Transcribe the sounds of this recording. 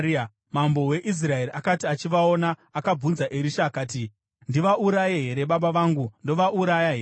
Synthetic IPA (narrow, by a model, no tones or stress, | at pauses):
mambowe̞ʔis̬rae̞ɾiakatiat͡ʃiʋaonaːkab͡vunzaʔeɾiʃaːkaːti | ndiʋaʔuɾajeɦe̞ɾe̞ɓaɓaʋaːŋɡundo̞ʋaʔuɾajaɦe